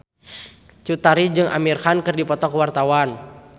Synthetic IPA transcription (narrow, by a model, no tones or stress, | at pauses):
t͡ʃut̪aɾid͡ʒɨŋʔa̰mirhankɨrdipɔt̪ɔkwart̪awan